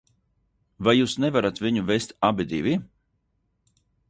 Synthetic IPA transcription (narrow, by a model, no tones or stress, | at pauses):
vajuːsnɛvaɾat̪viɲuvest̪abid̪ivi